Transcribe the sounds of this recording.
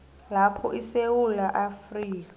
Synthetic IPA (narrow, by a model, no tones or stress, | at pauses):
lapʰɔʔisewulaʔafriːk̬a